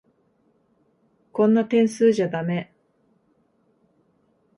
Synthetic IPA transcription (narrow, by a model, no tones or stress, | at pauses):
kõ̞nːat̪ẽ̞ɰ̃sɨːʑad̪ame̞